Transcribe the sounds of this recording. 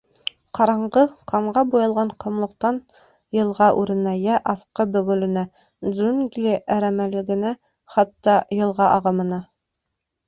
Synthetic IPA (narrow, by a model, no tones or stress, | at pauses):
qɑɾɑɴʁɤqʰɑɴʁɑbujɤ̆lˠʁɑɴqɤ̆mlˠɤ̆q̚t̪ɑn | jɤ̆lˠʁɑʔʉɾɘ̆næjæʔɑθqɤbɵ̆ɡɵ̆lɘ̆næ | zunɡlʲiʔæɾæmælɘ̆ɡɘ̆næ | χɑt̪ːɑjɤ̆lˠʁɑʔɑʁɤ̆mɤ̆nɑ